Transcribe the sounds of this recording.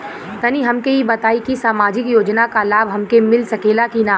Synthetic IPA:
t̪ɐniɦɐmkeɦibɐt̪aːikisaːmaːd͡ʒɪkjoːd͡ʒnakalaːbʱɦɐmkemɪlsɐkeːlakina

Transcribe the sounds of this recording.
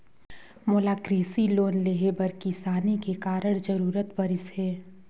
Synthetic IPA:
moːlaːkɾiːsiloːnleɦebɐɾkɪsaːnikekaːɾəɽ̃d͡ʒɐɾuːɾət̪bɐɾɪsɦɛː

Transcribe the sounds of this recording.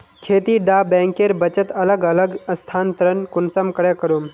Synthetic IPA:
kʰeːt̪iɖaːbɛ̃ːŋkeɾbɐt͡ʃət̪ɐləɡɐləɡəst̪ʰaːnt̪əɾənkʊnsəmkɐɽekəɾuːm

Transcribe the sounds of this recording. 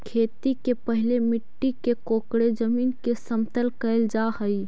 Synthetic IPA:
kʰeːt̪ikepəɦɪlemɪʈːikekoːkɽed͡ʒəmiːnkesəmt̪əlkəɪld͡ʒaɦəi

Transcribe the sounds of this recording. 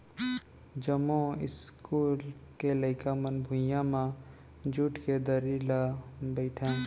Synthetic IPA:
d͡ʒəmõɪ̰skuːlkeləɪkamənbʱʊ̃jãmã | d͡ʒuːʈʰked̪əɾilabəɪʈʰẽː

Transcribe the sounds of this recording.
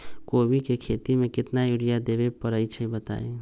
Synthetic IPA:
kobikekʰet̪imekɪt̪najuɽijad̪ebepəɾəjt͡ʃʰəĩbət̪a̰e

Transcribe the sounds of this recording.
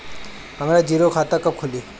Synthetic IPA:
ɦəmɾad͡ʒiːɾokʰaːt̪akəp̚kʰʊli

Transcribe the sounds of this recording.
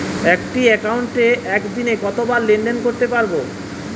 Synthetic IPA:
ɛkʈiɛkauɳʈeʔɛkd̪inekɔt̪obaɾlːeɳɖenkoɾt̪epaɾbo

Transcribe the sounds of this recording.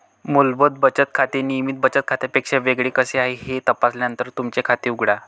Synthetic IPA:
mulbəd̪̚bət͡ɕət̪̚kʰat̪enimiːt̪̚bət͡ɕət̪̚kʰat̪epekʂeʋeɡɭekəseaɦeɦet̪əpasljanənt̪əɾt̪umt͡ɕekʰat̪eːuɡɽa

